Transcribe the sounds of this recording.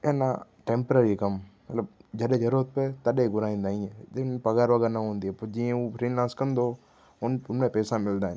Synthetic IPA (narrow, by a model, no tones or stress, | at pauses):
eːnã̰ʈẽːmpɾəɾikɐmmɐt̪ləbd͡ʒɐɗẽd͡ʒɐɾuɾət̪̚pet̪ɐɗeɡʊɾaːĩːnd̪aːĩɛ̃d͡ʒɪnpɐɡaːɾʋəɡɛːɾnɐɦõːnd̪iɦɛpɐd͡ʒiːẽuːfɾiːnlãːnskɐ̃nd̪o | ʊnʊnmẽpɛːsãmɪld̪aːɪn